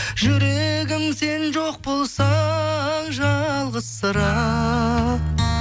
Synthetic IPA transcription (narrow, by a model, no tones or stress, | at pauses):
ʒʏɾe̞ɡʲɪmse̞nʒo̞q̚bo̞lˠsɑ | ʒɑlˠʁəz̥ːəɾɑ